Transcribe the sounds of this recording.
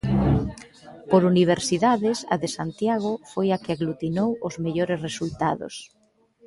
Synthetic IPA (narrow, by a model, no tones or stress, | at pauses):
poɾuniβ̞eɾsiðaðɪsɐ̰ðesant̪jaɣ̞ofojakɪaɣlut̪inowʊzmeʎoɾesresult̪aðo̰s